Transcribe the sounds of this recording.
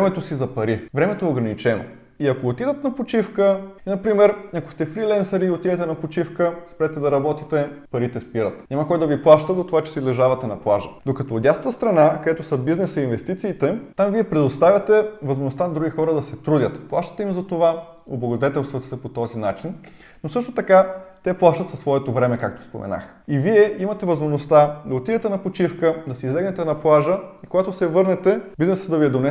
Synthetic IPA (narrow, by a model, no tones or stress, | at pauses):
ɛmɛt̪osizɐpɐɾivɾɛmɛt̪oɛoɡɾɐnit͡ʃɛno̰ | iɐkoːt̪id̪ət̪nɐpot͡ʃifkəinɐpɾimɛɾɐko̥st̪ɛfɾilɛnsɐɾiːot̪id̪ɛt̪ɛnɐpot͡ʃifkəspɾɛt̪ɛd̪ɐɾɐbɔt̪it̪ɛpɐɾit̪ɛspiɾət̪ɲʲamɐkɔjd̪ɐviplˠaʃt̪əzɐt̪ovat͡ʃɛ̥sizlɛʒavɐt̪ɛnɐplˠaʒəd̪okɐt̪ɔːd̪jast̪əst̪ɾɐnakɐd̪ɛt̪osəbiznɛsɐinvɛst̪it̪siːt̪ɛt̪amviɛpɾɛd̪ost̪avʲɐt̪ɛvɐzmoʒnost̪anɐd̪ɾuɡixɔɾəd̪ɐsɛt̪ɾudʲət̪plˠaʃt̪ə̥t̪ɛimzɐt̪ova | oblˠɐɡod̪ɛt̪ɛlˠst̪vɐt̪sɛpot̪ɔzinat͡ʃin | nosɤʃt̪ot̪ɐkat̪ɛplˠaʃt̪ət̪sɐsvɔɛt̪ovɾɛmɛkakt̪o̥spo̰mɛ̰na̰x | iviɛimɐt̪ɛvɐzmoʒnost̪ad̪ɐot̪ivɛt̪ɛnɐpot͡ʃifkəd̪ɐsɛizlɛɡnɛt̪ɛnɐplˠaʒəikoɡat̪osɛvɤɾnɛt̪ɛbiznɛsəd̪ɐviɛd̪onɛ